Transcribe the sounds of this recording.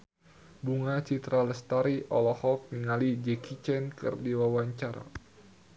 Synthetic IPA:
buŋat͡ʃit̪ɾaləst̪aɾiʔɔlɔhɔk̚niŋalid͡ʒɛkit͡ʃɛnkɨ̰rdiwawaɲt͡ʃaɾa̰

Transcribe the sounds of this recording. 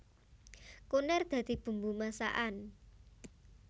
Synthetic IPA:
kunɛrd̪̥ä̤d̪̥i̤b̥ṳmbumasa̰ʔan

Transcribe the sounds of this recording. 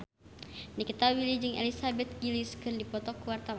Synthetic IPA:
nikit̪awilid͡ʒɨŋʔḛlisabɛt̪̚ɡiliskɨrdipɔt̪ɔkuwart̪awa

